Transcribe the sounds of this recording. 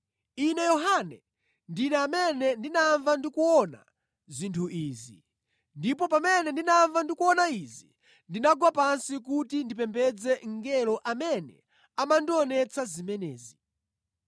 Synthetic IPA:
inɛjɔɦanɛ | ndinɛamɛnɛndinaɱvandikuɔna̰ | zintʰuʔiːzḭ | ndipɔpamɛnɛndinaɱvandikuɔnaizi | ndinaɡwapansik̬utindipɛmpɛd͡zɛŋ̩ɡɛlɔʔamɛnɛ̰ | amandiɔnɛt͡sʰazimɛnɛ̰ːzi

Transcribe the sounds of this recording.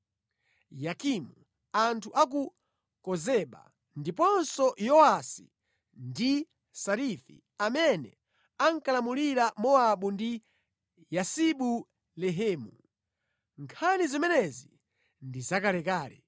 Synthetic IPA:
jakimu | antʰuʔak̬u | kɔzɛɓa̰ | ndipɔnsɔjɔasḭ | ndi | saɾifḭ | amɛnɛ̰ | aŋkalamuliɾamɔaɓundi | jasiɓu | lɛɦɛːmu | ŋkʰanizimɛnɛzi | ndizakalɛkaːlɛ

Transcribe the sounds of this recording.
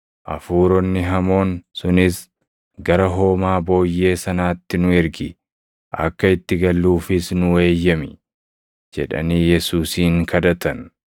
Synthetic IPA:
ʔɐ̰fuːɾɔnːɪɦɐmo̞ːnsʊnɪs | ɡɐɾɐɦo̞ːmaːbo̞ːjːe̞ːsɐnaːt̪ːɪnʊɛɾɡɪ | ʔɐ̰kːɐɪt̪ːɪɡɐlːuːfɪsnʊwe̞ːjːɐmɪ | d͡ʒɛᶑɐ̰niːjɛsuːsiːŋkʰɐd̪ɐt̪ɐn

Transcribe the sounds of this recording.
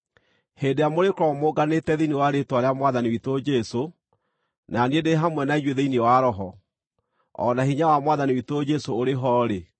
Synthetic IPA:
heːndejamoɾekɾɔmoɡanetɛðenewaɾetwaɾeamwaðaniwitod͡ʒɛso | naniedeɦamwɛnaiɲweðeinɛwaɾɔɦɔ | ɔ̰nahiɲawamwaðaniwitoːd͡ʒɛsooɾeɦɔːɾe

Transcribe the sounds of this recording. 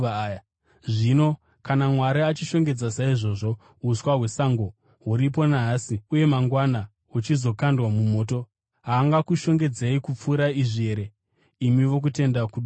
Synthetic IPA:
ʐino̞ | kanamwaɾiat͡ʃiʃo̞ŋɡe̞d͡zasaiʐo̞ʐo̞ | uswaɦwe̞saŋɡo̞ | ɦuɾip̬o̞naːsiuje̞maŋɡwana | ut͡ʃizo̞kandwamumo̞ːto̞ | ɦaːŋɡakuʃo̞ŋɡe̞d͡zeikup͡fuːɾaiʐieɾe | imiʋo̞k̬ute̞ndakuɗu

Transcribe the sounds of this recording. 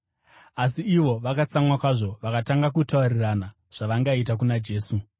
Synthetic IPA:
asiiʋo̞ʋakat͡samwakwaʐo̞ʋakataŋɡakutaurirana | ʐ̥aʋaŋɡait̬ak̬unad͡ʒe̞ːsu

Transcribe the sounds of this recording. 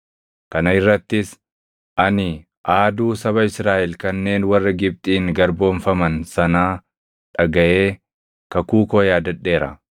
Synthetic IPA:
kɐnɐɪrːɐt̪ːɪs | ʔɐnɪ | ʔaːd̪uːsɐβɐɪsɾaːʔɛlkɐnːe̞ːnwɐrːɐɡɪb̚t̪ʼiːŋɡɐɾbo̞ːnfɐmɐnsɐnaː | ᶑɐɡɐʔe̞ː | kɐkuːkoːjaːd̪ɐᶑːe̞ːɾɐ̰

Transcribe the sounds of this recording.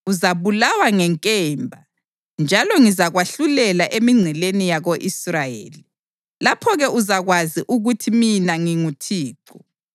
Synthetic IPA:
uzaβulawaŋɛŋkʼɛmbʱa | nd͡ʒʱalɔŋizaɣwaɬulɛlaʔemiŋ͡ǀʱɛlenijaɣoʔisrajḛːli | lapʰɔɣɛuzaɣwaziʔuɣutʰiminaŋiŋutʰiːǃɔ

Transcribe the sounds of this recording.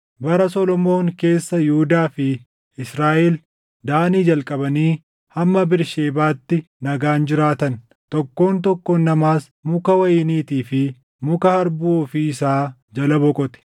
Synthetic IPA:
bɐɾɐsɔlɔmo̞ːŋke̞ːsːɐjɪhʊd̪aːfɪ | ɪsɾaːʔɛl | d̪aːniːd͡ʒɐlkʼɐbɐniː | hɐmːɐbɪɾʃe̞ːbaːt̪ːɪ | nɐɡaːnd͡ʒɪɾaːt̪ɐn | t̪ɔkːo̞ːnt̪̬ɔkːɔnːɐmaːs | mʊkɐwɐjɪniːt̪iːfɪ | mʊkɐhɐɾbuːɔfiːɪsaː | d͡ʒɐlɐbɔkʼɔt̪ɛ̥

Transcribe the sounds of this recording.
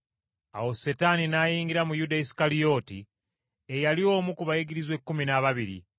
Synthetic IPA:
a̰wo̞se̞taninajiːŋɡiɾamujudaisi̥kalijo̞ːti | ejalio̞ːmukuβajeɡiɾizwekːuminaβaβiɾḭ

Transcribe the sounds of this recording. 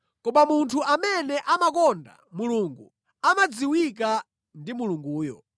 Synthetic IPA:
kɔmamuntʰuʔamɛnɛʔamakɔnda̰muluŋɡu | amad͡ziwik̬a | ndimuluŋɡuːjɔ̰

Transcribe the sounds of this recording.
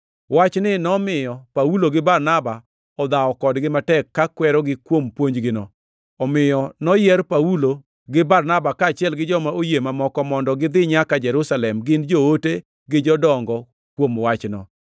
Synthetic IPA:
wat͡ʃnɪnɔmɪjɔpauloɡɪbarnaba | ɔd̪aɔkɔdɡɪmatɛkːakwɛɾɔɡɪkwompwoɲd͡ʒɡɪnɔ̰ | ɔmɪjɔnɔjɛɾpawulo | ɡɪbarnabakaːt͡ʃɪɛlɡɪd͡ʒɔmaʔojemamɔkɔmɔndɔɡɪd̪ɪɲakad͡ʒɛɾusalɛmɡɪnd͡ʒoote | ɡɪd͡ʒɔdɔŋɡɔ | kwomwat͡ʃnɔ̰

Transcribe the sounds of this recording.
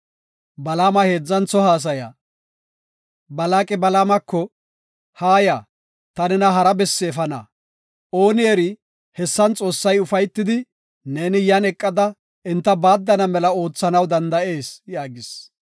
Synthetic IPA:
bɐlaːmɐhe̞ːd͡zːɐnt͡sːɔhaːs̬ɐja̰ː | bɐlaːkʼɛbɐlaːmɐkːɔ | haːjaː | t̪ɐnɛnɐɦɐɾɐbɛsːɛːfɐnɐ̰ | o̞ːnɪjeɾɪ | hɛsːɐnt͡sʼo̞ːsːɐjʊfɐjt̪ːɪd̪ɪ | ne̞ːnɪjɐnɛkʼːɐd̪ɐ | ɪnt̪ːɐbaːd̪ːɐnɐmɛlɐo̞ːt͡sːɐnɐwd̪ɐnd̪ɐe̞ːsjaːɡɪs

